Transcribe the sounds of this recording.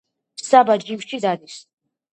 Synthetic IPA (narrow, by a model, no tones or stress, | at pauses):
sabad͡ʒimʃid̪ad̪is